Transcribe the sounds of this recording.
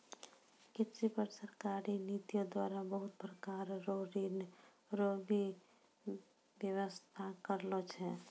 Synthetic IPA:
kɪtsipəɾsəɾkaːɾiniːt̪ijõd̪waːɾabəɦʊt̪̚pɾkaːɾɾoɾiːn | ɾoːɡi | ʋjəʋəst̪ʰakəɾlot͡ʃʰɛ̃ː

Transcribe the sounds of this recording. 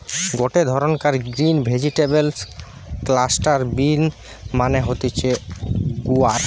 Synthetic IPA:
ɡoʈed̪ʱɔɾonkaɾɡɾinbʱed͡ʑiʈebels | klasʈaɾbin | maneɦot̪et͡ɕʰeɡuaɾ

